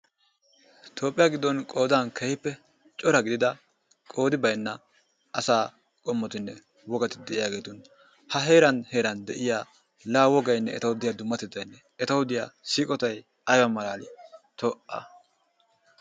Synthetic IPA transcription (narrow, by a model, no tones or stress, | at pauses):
t̪ʰo̞ːpʼːɪjaːɡɪd̪ːɔnkʼo̞ːd̪ankʰɛhɪpːɛ | t͡ʃʼɔɾɐɡɪd̪ɪd̪ɐ | kʼo̞ːd̪ɪbɐjnːɐ | ʔɐsaː | kʼɔmːɔt̪ɪnːɛ | wɔɡɐt̪ɪ̥d̪ɛʔɪjaːɡe̞ːt̪ɔn | hɐɦe̞ːɾɐnhe̞ːɾɐnd̪ɛʔɪjaː | laːwɔɡɐjnːɛɛ̰t̪ɐwʊd̪ɪjad̪ʊmːɐt̪ːɪd̪ɐjnːɛ | ɛt̪ɐwʊd̪ɪjaːsiːkʼɔt̪ɐj | ɐjwɐmɐlaːlɪt̪ɔʔɐ̰